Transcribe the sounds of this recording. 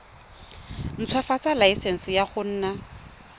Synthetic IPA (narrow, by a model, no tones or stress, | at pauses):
n̩t͡sʰwafat͡salaisɛn̩sɪjaχʊn̩ːna